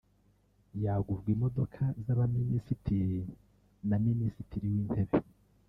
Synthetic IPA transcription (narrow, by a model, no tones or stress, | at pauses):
jaɡuvɡwimo̞do̞kʰazaβaminisitʰiɾi | naminisitʰiɾiwiːn̥he̞βe